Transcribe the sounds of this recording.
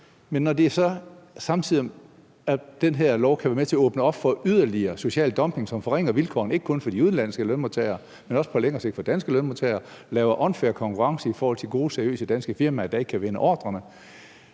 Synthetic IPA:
menːɒde̝æɐsɒ̽sɑ̈m̩t͡sʰið̰ˠm | æd̥enɦeɐ̰lɒʊkʰæʋæɐmet͡sʰe̝ɐɔ̽ːb̥nəɒ̽b̥fɒ̽yð̞ˠɐliɐːso̝ɕɛ̰ːld̥ɒ̽mpʰe̝ŋsɒ̽mfɒ̽ʁeŋ̰ɐʋilkʰɒ̰ːne̝ɡ̥əkʰɔ̽nfɒ̽d̥iuðˠnlæn̰sɡ̥əlønmot͡sʰɛɪɐ | menɒ̽sə̥pʰɒ̽leŋɐːse̝ɡ̥d̥fɒd̥ænsɡ̥əlønmot͡sʰeɪɐ | lɛːʊɐʔɒ̽nfeɐkʰɒ̽ŋkʰuʁɑ̈ŋsəifɒːhɒ̽l̰t͡sʰe̝lɡ̥o̝ːð̩ˠseɐijø̰ːsəd̥ænsɡ̥əfiɐ̰mææd̥æe̝ɡ̥əkʰæʋenəʔɒ̰ːd̥ʁɐnə

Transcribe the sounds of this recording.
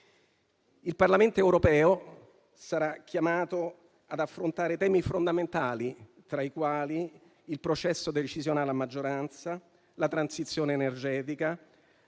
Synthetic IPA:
ilparlament̪oɛwɾopɛːo | saɾak̟ːjamaːt̪o | ad̪afːɾont̪aːɾet̪ɛːmifond̪ament̪aːlit̪ɾaikwaːliː | lpɾot͡ʃɛsːod̪et͡ʃizjonaːlamad͡ʒːoɾant̪sa | lat̪ɾansit̪sːjoːneːnerd͡ʒɛːt̪ika

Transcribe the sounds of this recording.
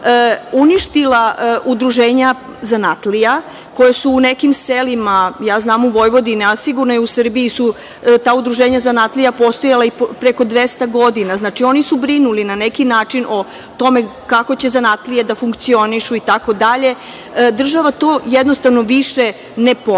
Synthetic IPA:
əuniʃt̪ilaʔud̪ɾuʒeːɲa | zanat̪lija | ko̞jesuːnekimselimajaːznaːmuʋo̞jʋo̞d̪iniasiɡuɾnojeusr̩biisu | t̪aːud̪ɾuʒeːɲazanat̪lijapo̞st̪ojalaipɾeko̞d̪ʋe̞st̪aɡo̞d̪inaznat͡ʂio̞nisubɾinulinanekinaːt͡ʂinʔo̞ | t̪o̞me̞kako̞t͡ɕe̞zanat̪lijed̪afuŋkt̪sio̞niʃuit̪ako̞d̪aʎe̞ | d̪r̩ʒaʋat̪o̞ːjed̪no̞st̪aʋnoʋiʃe | nepo

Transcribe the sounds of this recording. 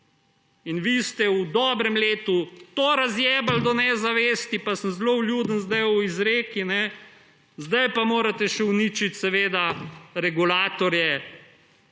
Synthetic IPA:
inʋist̪ɛud̪ɔːbɾɛmleːt̪ut̪oɾazjɛːbald̪ɔnɛzaʋeːst̪ipasəmzlowlʲjuːd̪ənzd̪ajuizɾeːkinɛ | zd̪ajpamoːɾat̪ɛʃɛwnit͡ʃit̪sɛʋeːd̪aɾɛɡulaːt̪ɔɾjɛ

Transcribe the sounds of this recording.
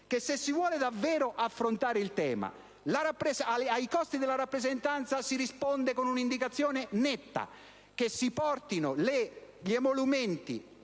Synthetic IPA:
k̟esːesːivwɔːled̪avːɛːɾʊʔafːɾont̪aːɾeilt̪ɛ̰ːma̰ | laɾapːɾɛsaaikɔst̪id̪elaɾapːɾɛzɛnt̪ant̪sasiɾispɔnd̪ekonunind̪ikat̪sːjɔːnenɛt̪ːa̰ | kesːipɔrt̪inʊleʎɛmolumɛnt̪ḭ

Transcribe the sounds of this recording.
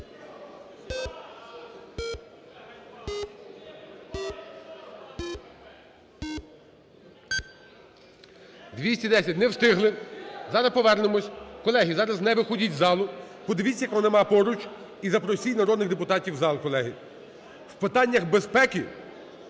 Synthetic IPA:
d̪ʋʲisʲtʲid̪ɛsʲɐt̚ʲnɛwst̪ɪɦlˠɪzɑɾɐspɔʋɛrnɪmɔsʲkɔlˠɛɦizɑɾɐznɛʋɪxɔdʲitʲzɑlˠʊpɔd̪ɪʋʲit͡sʲɐjɐkʋɔnɪmɑpɔɾʊt͡ʃ | izɐpɾɔsʲijʲnɐɾɔd̪nɪɣd̪epʊt̪ɑtʲiwzɑlˠkɔlˠɛɦɪ | wpɪt̪ɑnʲːɐxbespɛki

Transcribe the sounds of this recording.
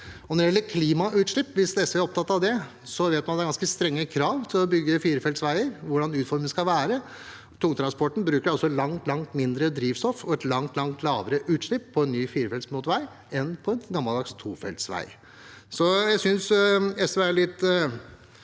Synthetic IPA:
ɔnɔɾɪjɛlːəɾkʰliːmɑʔʉːt̪ʂɭɪpːʋɪsd̪ɛsəʋɛæɾɔpt̪ʰɑt̪ːɑʋd̪ɛ | sɔʋeːt̪mɑnd̪ɛæɾɡɑnskəst̪ɾɛŋːəkʰɾɑːʋt̪ʰɪlɔbʏɡːəfiːɾəfɛlsʋæɪəɾʋʊɖɑnʉːt̪fɔɾmənskɑʋæːɾə | t̪ʰʊŋt̪ɾɑnspɔʈːɳ̩bɾʉːkəɖɑlsɔlɑŋt̪lɑŋt̪mɪnd̪ɾəd̪ɾiːʋst̪ɔfɔɛt̪lɑŋt̪lɑŋt̪lɑːʋəɾəʔʉːt̪ʂɭɪpʰːɔɛnːyːfiːɾəfɛlt̪smʊːt̪ʋæɪ | ɛnpʰɔɛnɡɑmːɑld̪ɑkst̪ʰuːfɛ̰lt̪sʋæ̰ɪ | sɔjæɪsʏnsɛsʋɛæɾɭɪt̪ː

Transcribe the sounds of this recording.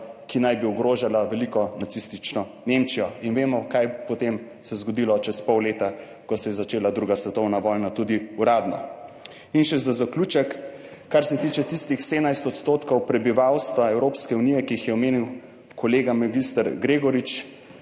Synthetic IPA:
kinajbiɔɡɾoːʒalaʋɛlikɔnat̪sist̪it͡ʃnɔ | nemt͡ʃijɔinʋeːmɔkajpɔt̪em | sɛzɡɔd̪ilɔt͡ʃɛspɔwleːt̪a | kɔsɛjɛzat͡ʃeːlad̪ɾuːɡasʋɛt̪ɔwnaʋɔjnat̪ud̪iuɾaːd̪nɔ̰ | inʃɛzazakluːt͡ʃɛkː | aɾsɛt̪it͡ʃɛt̪ist̪ixsed̪najst̪ɔt̪st̪oːt̪kɔwpɾɛbiʋawst̪ʋaɛwɾoːpskɛunijɛkiixjɛɔmeːniw | kɔleːɡamaɡist̪əɾɡɾeːɡɔɾit͡ʃ

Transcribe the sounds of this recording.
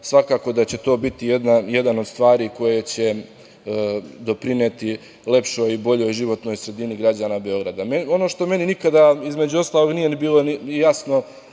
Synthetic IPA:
sʋakaːko̞d̪at͡ɕe̞t̪o̞ːbit̪ije̞d̪naje̞d̪anod̪st̪ʋaːɾiːko̞jet͡ɕe̞ | d̪o̞pɾine̞t̪i | le̞pʃo̞jibo̞ʎo̞jʒiʋo̞t̪no̞jsɾe̞d̪iniɡɾad͡ʑaːnabe̞o̞ɡɾad̪ameo̞no̞ːʃt̪o̞me̞ninikad̪aizme̞d͡ʑuo̞st̪aːlˠo̞ɡnije̞nibiːlo̞niijasno̞

